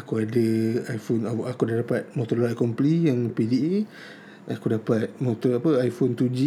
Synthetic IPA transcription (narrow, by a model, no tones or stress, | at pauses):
akuadəajfonaʔakudadapat̪̚mot̪ɔrlaʔkɔmplijaŋpidie | akudapat̪̚mot̪ɔapəajfɔnt̪ud͡ʒi